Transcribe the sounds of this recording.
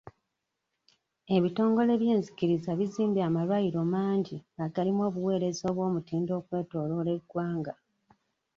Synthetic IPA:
e̞βito̞ːŋɡo̞le̞βje̞ːnzikiɾizaβiziːmbiamalwajiɾo̞maːɲɟiaɡalimo̞ːβuwe̞ːɾe̞zo̞ːβwo̞ːmutiːndo̞ːkwe̞ːto̞ːlo̞le̞ɡwaːŋɡa

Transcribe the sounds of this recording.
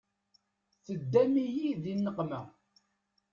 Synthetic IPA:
θəd̪ːæmijiðinːəqmæ

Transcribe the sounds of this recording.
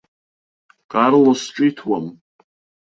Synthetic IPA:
kʼarlosʈ͡ʂʼitʰwam

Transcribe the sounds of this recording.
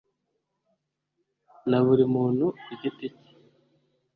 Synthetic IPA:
naβuɾimuːn̤uɟitici̥

